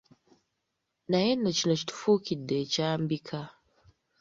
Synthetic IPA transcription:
najenːocinoci̥tu̥fuːkidːe̞caːmbikʰa

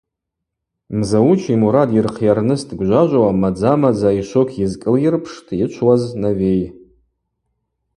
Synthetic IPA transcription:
mzawut͡ʃʰimuɾadirqʰjarnɨstʰʼɡʷʒʷaʒʷawamad͡zamad͡zaiʃʷokʰjɪzkʼɨljɪrpʰʂtʰʼit͡ʃʷʰwaznavej

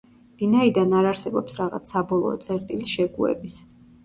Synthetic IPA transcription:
v̥inaid̪anaɾaɾsɛbɔpsɾaʁa̰t̪sʰːabɔlˠɔ̰ːt̪sʼɛɾt̪ʼiliʃɛɡuɛ̰bis

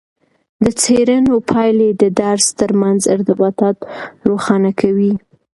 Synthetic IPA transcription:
d̪ət͡seɾanopʰɑjled̪əd̪aɾst̪əɾmanzɪ̰ɾt̪ɪbɑt̪ɑt̪ɾoxɑnakʰawi

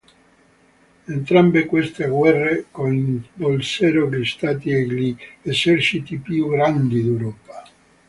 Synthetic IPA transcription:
ent̪ɾambekwest̪eɡwɛrːekonbolsɛɾoklist̪at̪iɛɡliesɛrt͡ʃit̪ipjuɡɾand̪id̪ewɾɔːpḁ

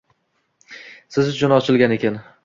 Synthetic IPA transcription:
sɪzʊt͡ʃʰʊnɒt͡ʃʰɪlɡʲane̞kʲʰan

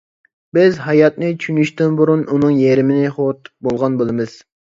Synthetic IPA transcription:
bɪzɦɑjɑt̪nɨt͡ʃʰynyʃt̪ɪnbuɾununɨŋjeɾɪmɪnɪχot̪bolˠʁɑnbolˠɨmɨz̥

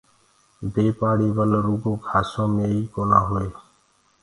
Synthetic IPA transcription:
beːpaːɽiːʋəlɾuːɡoːkʰaːsõːmẽːiːkoːnaːɦʊeː

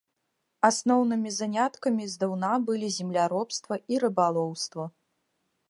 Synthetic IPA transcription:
asnɔwnɨmʲizanʲat̪kɐmʲizd̪ɐwnabɨlʲizʲɛmlʲaɾɔpst̪vɐiɾɨbalˠɔwst̪vɐ

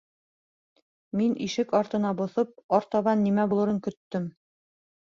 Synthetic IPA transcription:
minʔiʃɘkɑɾt̪ɤ̆n̪ɑbŏθɤp̚ɒɾt̪ɑβɑnːimæbulˠɤ̆ɾɤŋkɵ̆t̪ːɵm

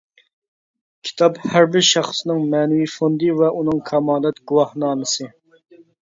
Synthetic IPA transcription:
kʲʰi̥t̪ʰɑphæɾbɪɾʃɑχsnɨŋmɛnɪwifond̪ɨvɛʔunɨŋkʰɑmɑːlˠɛt̪ɡuwɑhnɑːmɨsɨ

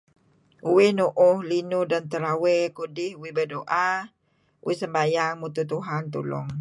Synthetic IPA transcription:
uwɪhnuʔʊhlinudant̪əɾawekudɪhuwibədoʔa | uisəmbajaŋmut̪ut̪uɦant̪ṵlɔ̰ŋ

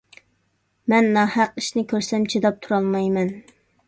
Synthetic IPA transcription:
mɛnːɑːhæq̚iʃnɪkʲʰøɾsɛmt͡ʃʰed̪ɑp̚t̪ʰuɾɑlˠmɑjmɛn

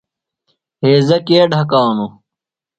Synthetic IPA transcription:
ɦeːzɐkeːɖʱɐkaːnu

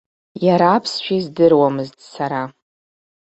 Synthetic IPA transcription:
jaɾaːpʰsʃʷᶣizdɨrwamɨztʼsaɾa

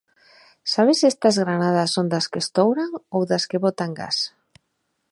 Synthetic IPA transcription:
saβ̞esest̪azɣɾanað̞asːond̪askest̪owɾaŋowðaskeβot̪aŋɡa̰s

